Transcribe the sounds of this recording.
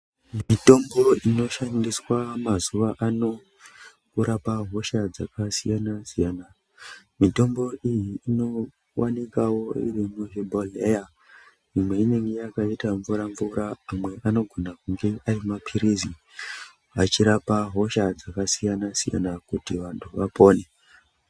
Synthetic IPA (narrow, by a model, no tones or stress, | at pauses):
mito̞mbo̞ino̞ʃandiswamazuʋaʔano̞ | kuɾapaɦo̞ʃad͡zakasijanasijana | mito̞mbo̞ʔijiːno̞ | wanikawo̞ḭrimuʐebʱoleja | imwe̞ine̞ŋɡe̞jakaitaɱvuɾaɱvuɾaːmwe̞ʔano̞ɡʱo̞nakuŋɡe̞ʔarimapʰiɾizi | at͡ʃiɾapaɦo̞ʃad͡zakasijanasija̰nakutiʋantʰuʋapo̞ːne